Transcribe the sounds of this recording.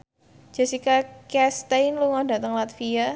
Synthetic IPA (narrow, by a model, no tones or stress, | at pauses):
d͡ʒ̥asikakɛst̪ejnluŋadat̪əŋlat̪fia